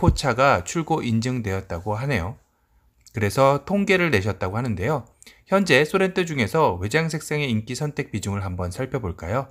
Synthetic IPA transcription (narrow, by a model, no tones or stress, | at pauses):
pʰot͡ɕʰaɡat͡ɕʰuɭɡoʔind͡ʑɯŋdwe̞jʌt̚t͈aɡoɦane̞jo | kɯɾe̞sʰʌtʰoŋɡe̞ɾɯɭne̞ɕʰʌt̚t͈aɡoɦanɯnde̞jo | çjʌnd͡ʑe̞sʰoɾe̞ntʰɯd͡ʑuŋe̞sʰʌwe̞d͡ʑaŋsʰe̞k̚s͈aŋe̞ink͈isʰʌntʰe̞k̚p͈id͡ʑuŋɯɭɦambʌnsʰaɭpʰjʌboɭk͈a̰jo